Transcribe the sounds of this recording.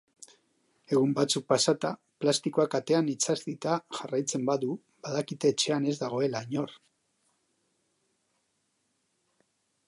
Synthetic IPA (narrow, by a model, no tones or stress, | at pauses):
e̞ɣ̞umbat͡suk̚pasat̪a | plast̪ikoakat̪e̞anit͡sazd̪it̪aʝarajt͡se̞mbaðu | baðakit̪e̞ːt͡ʃe̞ane̞zd̪aɣ̞o̞e̞laɲo̞r